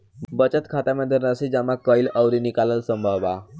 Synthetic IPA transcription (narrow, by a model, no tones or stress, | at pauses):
bət͡ɕət̪kʰat̪aməd̪ʱːənəsid͡ʑamakəiləwɾinikaləlsəmbʱəba